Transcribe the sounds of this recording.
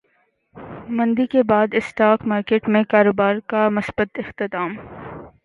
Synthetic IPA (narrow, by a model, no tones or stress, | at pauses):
mɐ̃nd̪ikebaːd̪ɪsʈaːkmaːɾkeːʈmẽkaːɾoːbaːɾkamʊsbət̪ɪxt̪ɪt̪aːm